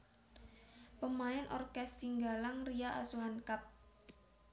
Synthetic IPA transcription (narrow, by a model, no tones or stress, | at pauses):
pəmaɛnʔɔ̰rkɛssiŋɡalaŋrijaʔa̰suankap̚